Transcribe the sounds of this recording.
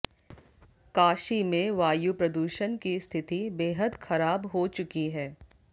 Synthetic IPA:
kaːʃimẽʋaːjupɾɐd̪uːʃənkist̪ʰɪt̪ibeːɦəd̪xɐɾaːbɦot͡ʃʊkiɦɛː

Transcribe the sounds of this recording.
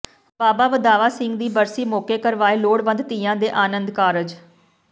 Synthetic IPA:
baːbaːʋəd̪aːʋaːsɪŋɡd̪iːbəɾsiːmoːkeːkəɾʋaːeːloːɽʋə̃nd̪t̪iːjãːd̪eːʔaːnənd̪kaːɾəd͡ʒ

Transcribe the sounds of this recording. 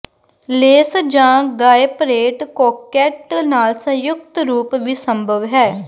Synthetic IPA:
leːsd͡ʒãːɡaːepɾeːʈkɔːkɛːʈnaːlsə̃jʊkt̪ɾuːpʋiːsəmbʱəʋɦɛː

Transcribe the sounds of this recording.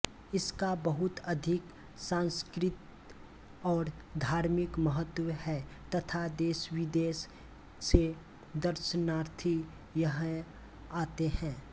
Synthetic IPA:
ɪskabəɦʊt̪əd̪ʱɪk | sãːnskɾɪt̪ | ɔːɾd̪ʱaːɾmɪkməɦət̪ːwhɛt̪ɐt̪ʰad̪eːʃwɪd̪eːs | se | d̪əɾʃənaːɾt̪ʰi | jəɦ | aːt̪eɦɛ̃ː

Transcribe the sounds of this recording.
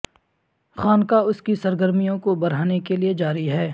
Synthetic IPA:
xaːnkaʊskisɐɾɡəɾmijõkobɐɾ̤aːnekelied͡ʒaːɾiɦɛː

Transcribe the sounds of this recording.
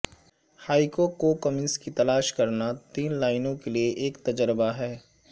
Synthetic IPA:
haːɪkokokəmɪ̃nskit̪ɐlaːʃkɐɾnat̪iːnlaːɪnõkelieʔeːkt̪ɐd͡ʒəɾbaɦɛː

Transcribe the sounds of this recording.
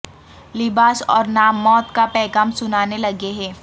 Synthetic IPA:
lɪbaːsɔːɾnaːmːɔːt̪kapɛːkəmsʊnaːnelɐɡeɦɛː

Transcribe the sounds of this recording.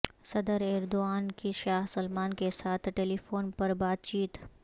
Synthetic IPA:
sɐd̪əɾeːɾd̪oaːnkiʃaːɦsʊlmaːnkesaːt̪ʰʈeːliːfoːnpɐɾbaːt̪t͡ʃiːt̪

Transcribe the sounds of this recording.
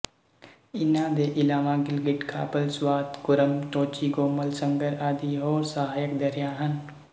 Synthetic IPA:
ɪnaːd̪eːʔɪlaːmaɡɪlɡɪʈkʰaːpəlswaːt̪kʊɾəmt̪oːt͡ʃiɡoːməlsə̃ŋɡəɾaːd̪iɦoːɾsəɦaːjəkd̪ɐɾɪjaːɦɐn

